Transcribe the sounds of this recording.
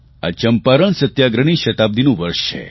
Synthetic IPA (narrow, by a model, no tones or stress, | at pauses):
a̰t͡ʃəmpaɾəɳsət̪jaɡɾəɳ̃iʃət̪ab̚d̪inũʋəɾʂt͡ʃʰḛ